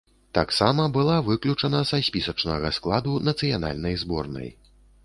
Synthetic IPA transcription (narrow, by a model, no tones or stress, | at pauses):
t̪aksamɐbɨlˠavɨklʲut͡ʂɐnɐsasʲpʲisɐt͡ʂnɐɣɐsklˠad̪unɐt̪sɨjana̰lʲnɐjzbɔrnɐ̰j